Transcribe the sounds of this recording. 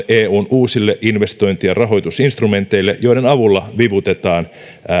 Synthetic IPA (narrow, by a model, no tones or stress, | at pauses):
ʔeːuːnʔuːsilːeʔinʋe̞st̪o̞jnt̪ijɑrɑɦo̞jt̪usinst̪rume̞nt̪ˑe̞jlːeʔjo̞jɾenɑʋulːɑʋiʋut̪e̞t̪ɑːn